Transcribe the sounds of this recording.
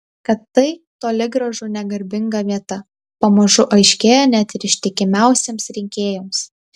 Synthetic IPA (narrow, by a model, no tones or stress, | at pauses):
kɐt̪ːɐɪt̪oːlʲɪɡɾɐʒʊnʲɛɡɐɾʲbʲɪŋɡɐʋʲiɛt̪ɐ | pɐmɐʒʊʔɐɪʃʲkʲeːjoːnʲæt̪ɪɾɪʃʲt̪ʲɪkʲɪmʲæˑʊsʲeːmsɾʲɪŋʲkʲeːjoːms